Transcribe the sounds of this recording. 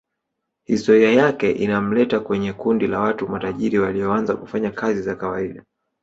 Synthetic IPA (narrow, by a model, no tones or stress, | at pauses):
histɔɾiajakɛʔinam̩lɛtakwɛɲɛkundilawatumataʄiɾiwaliɔanzakufaɲakazizakawaiɗa